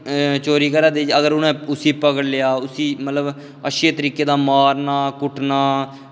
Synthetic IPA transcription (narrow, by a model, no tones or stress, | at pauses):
t͡ʃoːɾiːkəɾaːd̪eːd͡ʒəɡəɾʊnẽːʊsiːpəkəɽlɪjaːʊsiːmət̪ləb | əʃeːt̪əɾiːkeːd̪aːmaːɾnaːkʊʈʰnaː